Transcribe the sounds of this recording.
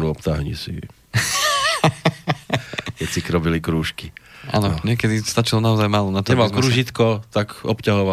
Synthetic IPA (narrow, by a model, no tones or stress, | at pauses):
nuɔpt̪aɦɲḭsḭ | kɛt͡sikɾɔbilikɾuːʃkiʔa̰ːnɔɲɛkɛd̪ist̪at͡ʃilɔnaɔzajmaːlɔnat̪ɛʋalkɾuːʒit̪kɔt̪akɔpcaɦɔʋa